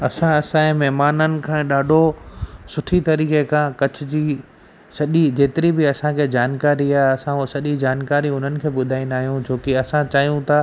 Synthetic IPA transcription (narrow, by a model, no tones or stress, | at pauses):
ɐsãɐsãẽmɛɦmaːnənɪ̆kʰãːɗaːɖʱosʊʈʰit̪ɐɾiːkekʰãːkɐt͡ɕʰɪd͡ʑiː | sɐʄid͡ʑeːt̪ɪɾibɪɐsãkʰeːd͡ʑaːnkaːɾiaːɦɐsãsɐʄid͡ʑaːnkaːɾiʊn̤ənɪ̆kʰeːɓʊd̪ʱaːĩnd̪aːɦijũd͡ʑoːkɪɐsãt͡ɕaːɦijũt̪ʰa